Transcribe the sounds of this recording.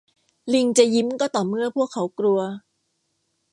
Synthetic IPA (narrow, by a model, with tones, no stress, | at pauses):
li˧ŋt͡ɕa˨˩ji˦˥mkɔː˥˩t̪ɔː˨˩mɯ˥˩ɐpʰu˥˩əkʰːa˧˦˥wkɾu˧ɐ